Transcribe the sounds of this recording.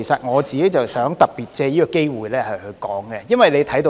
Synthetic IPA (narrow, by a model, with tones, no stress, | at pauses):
sɐ˨t̚ŋɔː˨˧t͡siː˨ke˨˥jt͡sɐ˨wsœː˨˥ŋt̪ɐ˨p̚piː˨˩t̚t͡sɛː˧jiː˥kɔː˧ke˥jwuː˨˩jlɛː˥hɐ˨jhɵ˧ɥkɔː˨˥ŋɡɛ˨˧jɐ˥nwɐ˨jle˨˧jt̪ʰɐ˨˥jt̪o˧